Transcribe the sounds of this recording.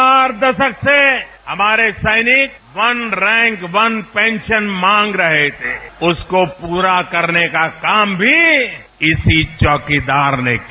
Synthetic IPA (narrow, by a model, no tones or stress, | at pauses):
aːɾd̪ɐʃəksehɐmaːɾesɐɪnɪk̚ | ʋɐnɾɛ̃ːŋkʋɐnpẽːnʃənmãːŋɡɾɐɦet̪ʰeʊskopuːɾakɐɾnekakaːmbʱi | ɪsit͡ʃɔːkid̪aːɾnek